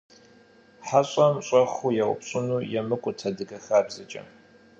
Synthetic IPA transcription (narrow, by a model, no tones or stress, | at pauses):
ħaɕʼɐmɕʼɐχʷujɛwʊ̰pɕʼʊnuːjɛmɨkʷʼʊtʰɐdɨɡɐxaːbzɨt͡ʃʼɐ̰m